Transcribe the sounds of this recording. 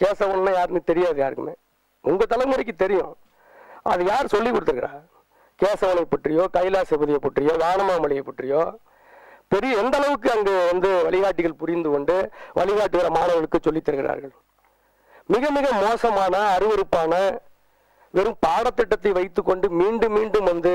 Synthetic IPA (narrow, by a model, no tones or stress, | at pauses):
keːsɐʋɔnnːaːjaːɾɯnɯt̪ɛɾɪjaːðɯjaːɾɯkːɯmḛː | ʊŋɡɐt̪ɐlɐʋmɯɾɐk̬ːɯt̪ɛɾɪjʊ̰̃ | ʔɐ̰ðɯjaːɾsɔlːikːɔɽɯt̪ːɯɾɯkːɪɾaː | keːsɐʋɐnɐɪpːɐʈrɪjoːkɐɪlaːsɛbɐðɪjɐpːɐʈrɪjoːʋaːɳɐmaːmɐɭɪjɐpːɐʈrɪjoː | pɛɾɪjɐɛnd̪ɐlɐʋɯk̬ːɯɐŋɡeːʋɐnd̪ɯʋɐɭɪɣaːʈːɪɣɐɭpʊɾɪnd̪ɯkɔɳɖɯʋʔɐ̰ɭɪɣaːʈːɯɣɪɾɐmaːnɐʋɐɭɯkːɯsɔlːɪt̪ːɐɾɯɣɪɾa̰ːɾɣɐɭ | mɪɣɐmɪɣɐmoːsɐmaːnɐːɾɯʋɐɾɯpːaːnɐ | ʋɛɾɯmpaːɽɐt̪ːɪʈːɐt̪ːɐɪʋɐɪt̪ːɯkːɔɳɖɯmiːɳɖɯmːiːɳɖɯmʋɐnd̪ɯ